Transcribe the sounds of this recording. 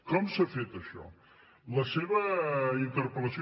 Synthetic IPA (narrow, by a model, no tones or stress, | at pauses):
kɔmsafet̪əʃɔ̰ | ləseβəint̪əɾpələsi